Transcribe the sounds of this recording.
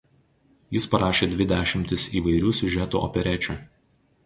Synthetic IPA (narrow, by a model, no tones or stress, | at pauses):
jɪspɐɾɑːʃʲeːd̪ʲʋʲɪd̪ʲæːʃʲɪmʲt̪ʲɪsiːʋɐɪɾʲuːsʲʊʒʲɛt̪ṵʔɔ̰pʲɛɾʲɛt͡ʃʲuˑ